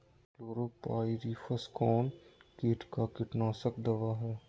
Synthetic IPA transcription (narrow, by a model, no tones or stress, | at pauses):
loːɾoːpaːiɾiːfʰəskɔːnkeːʈkakɪʈnaːsəkd̪ɐʋaːɦɛː